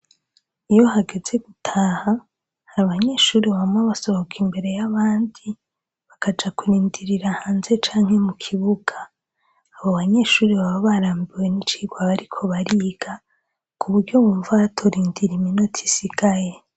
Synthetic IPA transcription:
ijo̞haɡe̞ze̞ɡ̥utʰaːha | haɾaβaɲe̞ʃuːɾiβaβamwaβaso̞hokʰimbe̞ɾe̞jaβaːndi | βakad͡ʒakuɾiːndiɾiɾahaːnze̞t͡ʃaːŋhe̞mukʰiβuɡ̥aː | βoβaɲe̞ʃuːɾiβaβaβaɾaːmbiwe̞nit͡ʃiːɡwaβaɾikʰo̞βaɾiːɡ̥a | kʰuβuɾɟo̞βuːɱvaatʰoɾiːndiɾiminotʰi̥siɡ̥aje

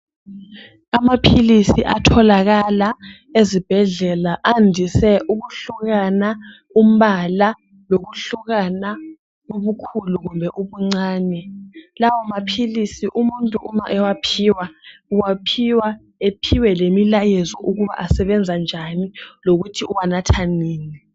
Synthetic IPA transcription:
amapʰilisiʔatʰɔlaɣala | ezib̥ʱɛɮɛlaʔandʱisɛʔuɣuɬuɣana | um̩βala | loɣuɬuɣana | uβukʰuluɣumbʱɛʔuβuŋ͡ǀaːnɛlawɔmapʰilisiʔumuntʼuʔumaʔɛwapʰiːwauwapʰiwa | epʰiwɛlemilajɛzɔʔuɣuβa̰ʔasɛβɛnd͡zʱand͡ʒʱaniloɣutʰiuwanatʰaniːni

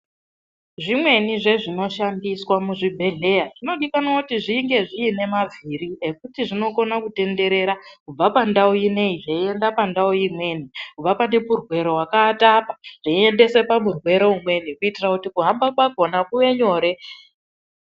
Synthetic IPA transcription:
ʐimwe̞niʐe̞ʐino̞ʃandiswamuʐibʱe̞ɮe̞jaʐino̞ɗikanoutiʐiŋɡe̞ʐiːne̞mavʱiɾie̞kutiʐino̞ko̞nakute̞nde̞ɾe̞ɾakub͡vapandaujine̞iʐeie̞ndapandaojimwe̞nikub͡vapane̞purwe̞ɾo̞ɦwakatapaʐ̥eie̞nde̞se̞pamurwe̞ɾo̞umwe̞nikuitirakutikuɦambakwaɡʱo̞nakuʋe̞ɲo̞ːɾe̞

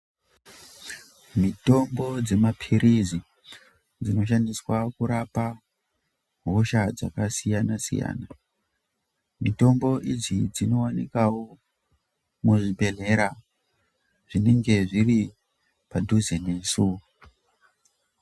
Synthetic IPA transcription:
mito̞mbo̞d͡ze̞mapʰiɾizi | d͡zino̞ʃ̬aniswakuɾapa | ɦoʃad͡za̰kasijanasḭja̰ːna | mito̞mbo̞ʔid͡zid͡zino̞wanikawo | muʐibʱe̞ɮeɾa | ʐ̥ine̞ŋɡe̞ʐiri | padʱuzenesu

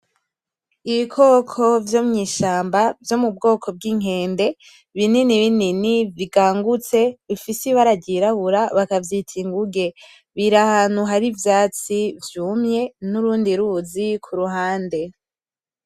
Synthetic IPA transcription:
iβikʰoːkʰo̞vjo̞mɲiːʃaːmbavjo̞mub̚ɡo̞ːkʰo̞b̚ɡiŋ̥e̞ːnde̞ | βininiβininiviɡaːŋɡut͡se̞βifisiβaɾaɟiɾaβuɾaβakavjitʰiŋɡuɡe̞ | βiɾahaːn̥huɦaɾivjaːt͡sivjuːmɲe̞nuɾuːndiɾuːzikʰuɾuɦaːnde̞

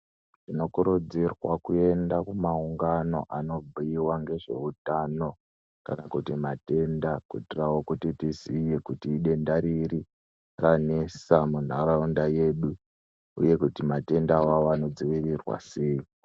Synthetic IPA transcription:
tino̞kuɾud͡zirwa̰kue̞ndakumauŋɡano̞̰ʔano̞bʱuiwaŋɡe̞ʐe̞utano̞ | ka̰nakutimate̞ndakutirawo̞kutitizijekutiːɗe̞ndaɾiɾi | ranesamun̤aɾaundaje̞ɗu | ṵje̞kutimate̞ndawawoano̞d͡ziʋirirwa̰seji

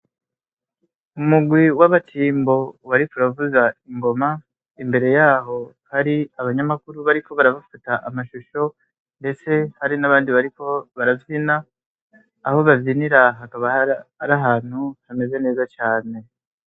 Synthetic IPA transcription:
umuɡwiwaβatʰiːmbo̞waɾikuɾavuzaiŋɡo̞ma | imbe̞ɾe̞jaːɦo̞ | haɾiaβaɲamakuɾuβaɾiko̞βaɾaβafutaʔamaʃuʃo̞ | nde̞t͡se̞haɾinaβaːndiβaɾiko̞βaɾavjinaː | ho̞βavjiniɾaɦakaβaaɾaɦaːn̥huhame̞ze̞ne̞ːzat͡ʃaːne̞

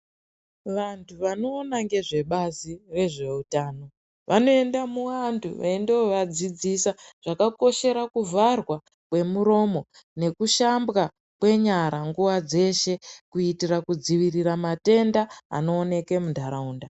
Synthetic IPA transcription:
ʋantʰuʋano̞ːnaŋɡe̞ʐe̞ɓazire̞ʐe̞utaːno̞ | ʋʔano̞e̞ndamuwantʰṵʋa̰endeoʋad͡zid͡zisaʐ̥akako̞ʃe̞ɾakuvarwa | kwe̞muɾo̞mo̞ | ne̞kuʃambɣa | kwe̞ɲaɾaŋɡuʋad͡ze̞ʃe̞kuitirakud͡ziʋiriramate̞nda̰ːno̞ːne̞ke̞mundʱaɾauːnda

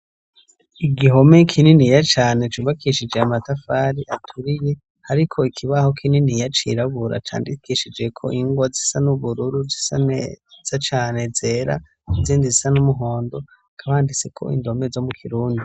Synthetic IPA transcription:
iɡiɦo̞me̞kʰininijat͡ʃaːne̞t͡ʃuβakʰiʃid͡ʒe̞amatafaɾiʔatʰuɾije | haɾikʰo̞ikʰiβaho̞kʰininijat͡ʃḭɾaβuɾa̰t͡ʃa̰ːndikiʃid͡ʒe̞kʰo̞̰ʔiŋɡwazisanuβuɾuɾuzisaz̥at͡ʃaːne̞ze̞ɾa̰ | ziːndizisanumuɦo̞ːndo̞ | kʰaβaːndit͡se̞kʰo̞̰ʔḭndo̞me̞zomukʰiɾuːndi

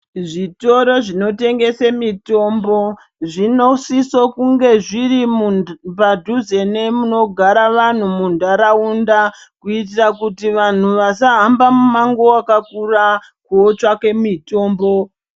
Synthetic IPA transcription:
ʐito̞ɾo̞ʐino̞te̞ŋɡe̞semito̞ːmbo̞ | ʐino̞sisokuŋɡe̞ʐirimupadʱuze̞ne̞muno̞ɡʱaɾaʋan̤umundaɾaundakuitirakutiʋan̤uʋasaɦambamumaŋɡo̞akakura | kuot͡ʃake̞mito̞ːmbo̞

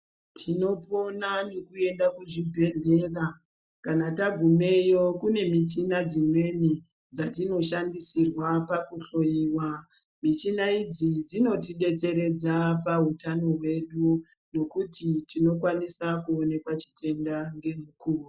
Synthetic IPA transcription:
tʰino̞po̞nanekue̞ndakuʐibʱe̞ɮe̞ra | kanataɡʱume̞jo̞kune̞mit͡ʃinad͡zimwe̞ni | d͡zatino̞ʃandisirwapakuɬo̞iːwa | mit͡ʃinaid͡zid͡zino̞tiɓe̞t͡se̞ɾe̞d͡zapaɦutano̞ɦwe̞ɗu | no̞kutitino̞kwanisakuone̞kwat͡ʃi̥tʰe̞ndaŋɡe̞m̤ukuːru

